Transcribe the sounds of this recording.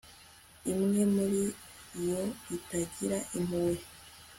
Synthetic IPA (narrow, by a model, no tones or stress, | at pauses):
imŋe̞muɾi | joitaɟiɾaʔim̥uwe